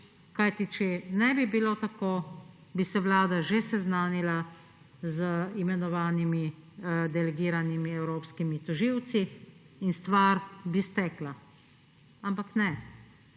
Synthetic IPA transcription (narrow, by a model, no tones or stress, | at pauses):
kajt̪it͡ʃɛnɛbibiloːt̪akoː | bisɛʋlaːd̪aʒesɛznaːnila | zəimɛnɔʋaːnimi | d̪ɛlɛɡiːɾanimiɛwɾoːpskimit̪ɔʒiwt̪siː | nst̪ʋaːɾbist̪ɛːkla | ampaknɛ